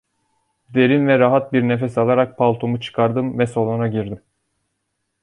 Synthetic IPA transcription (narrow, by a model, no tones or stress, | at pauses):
d̪e̞ɾinvɛɾaɦat̪̚biɾnefɛsalˠaɾak̚pʰalˠt̪ʰumut͡ʃʰɯ̥kʰaɾd̪ɯmvɛso̞lˠunaɟiɾd̪im